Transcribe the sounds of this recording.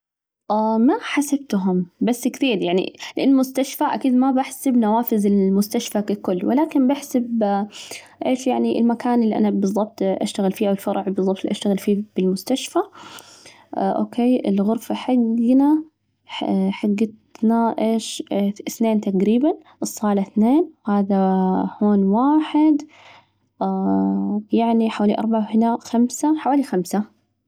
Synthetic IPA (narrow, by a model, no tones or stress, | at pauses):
ʔaːmaħasab̚t̪ɦʊmbasːkθiːɾjaʕnḭlɪʔanːmʊst̪aʃfaʔa̰kiːd̪mabaħsabnawaːfɪzɪlmʊst̪aʃfakakʊlːwɪ̰laːkɪnbaħsab | ʔeːʃjaʕniʔɪ̰lmakaːnɪlːiʔa̰nabɨzˤːɑb̚t̪ʔa̰ʃt̪aɣɪlfiːʔawɪlfɑɾˤʕbɨzˤɑb̚t̪lʔaʃt̪aɣɪlfiːb̥ɪlmʊst̪aʃfa | ʔo̰ːkʰeːɪ̰lɣʊɾfaħaɡːna | ħaɡːɪt̪naʔeːʃθneːnt̪aqɾiːban | ʔɨsˤːɑːlaθneːnhaːðahoːnwaːħɪd̪ | jaʕniħawaːliʔɑɾˤbaʕawhɪnaxamsaħawaːlixamsa